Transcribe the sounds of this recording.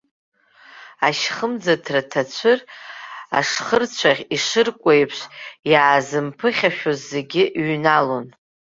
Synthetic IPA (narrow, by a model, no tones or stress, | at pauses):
aʃχəmd͡zatʰratʰat͡ɕʷʰɨr | a̰ʂχərt͡ɕʷʰaʁʲiʂɨrkʷʼejpʰʂʷjaːzɨmpʰɨχʲaʃᶣozːe̞ɡʲɪʔɥnalo̞n